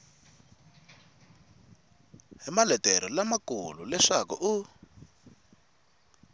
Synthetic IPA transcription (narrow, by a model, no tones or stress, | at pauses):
ɦimalɛtʼɛɾɔlamakululɛʂakṵʔu